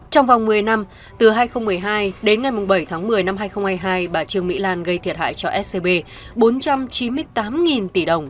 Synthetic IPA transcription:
t͡ɕɔ˧wŋ͡mva˨˩wŋ͡mmɨ˨˩əjna˧m | t̪ɨ˨˩ɦaː˧jxə˧wŋ͡mm˨˩əjɦaː˧jɗe˨˦nŋa˨˩jmʊ˨˩ŋ͡mɓə˧˩jt̪ʰaː˨˦ŋmɨ˨˩əjna˧mɦaː˧jxə˧wŋ͡mhaː˧jɦaː˧jɓaː˨˩t͡ɕɨ˧əŋmḭ˧˥laː˧nɣə˧jt̪ʰi˨˩ət̚ha̰ː˧˨jt͡ɕɔ˧ʔɛ˦˥t̚se˧ɓe˧ | ɓo˨˦nt͡ɕa˧mt͡ɕi˨˦nmɨ˧əjt̪aː˨˦mŋi˨˩nt̪i˧˩ɗə˨˩wŋ͡m

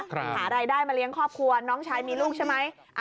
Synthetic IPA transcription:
hʰaː˩˦ɾaː˧jdaː˥˩jmaː˧li˦˥əŋkʰɔː˥˩p̚kʰu˧ənɔː˦˥ŋt͡ɕʰaː˧jmiː˧luː˥˩k̚t͡ɕʰa˥˩ma˦˥j | ʔa

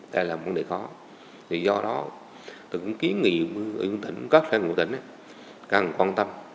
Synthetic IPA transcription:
ɗaː˧laː˨˩˨və˨˦nɗe˨˩xɔ˨˦ | t̪ʰi˨˩zɔ˧ɗɔ˨˦ | t̪ʰi˨˩kʊ̰˧˥ŋ͡mki˨˦ənŋḭ˧˨ɓɨ˧˨u˧nt̪ï˧˩ŋ̟kə˦˥k̚sɛː˧ŋṵ˧˥t̪ï˧˩ŋ̟ʔa˧˦ | kaː˨˩ŋkwaː˧nt̪ə˧m

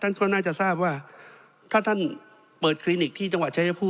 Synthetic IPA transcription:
t̪ʰa˥˩nkʰɔː˥˩naː˥˩t͡ɕa˨˩ʔsaː˥˩p̚waː˥˩ | t̪ʰaː˥˩t̪ʰa˥˩n | pɤː˨˩t̪̚kʰɾiː˧ni˨˩k̚t̪ʰiː˥˩t͡ɕa˧ŋwa˨˩t̪̚t͡ɕʰa˦˥ja˧pʰuː˥˩

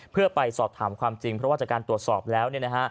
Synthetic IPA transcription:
pʰɯ˥˩ɐpa˧jsɔː˨˩p̚t̪ʰaː˩˦mkʰwaː˧mt͡ɕi˧ŋpʰɾɔ˦˥waː˥˩t͡ɕa˨˩kaː˧nt̪u˨˩ət̪sɔː˨˩p̚lɛː˦˥wni˥˩əna˦˥kʰa˦˥ʔ

